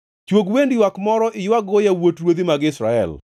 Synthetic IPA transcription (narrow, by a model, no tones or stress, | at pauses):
t͡ʃwoɡwendiwakmɔɾɔʔɪjwaɡojawotɾwod̪imaɡɪsɾa̰ɛ̰l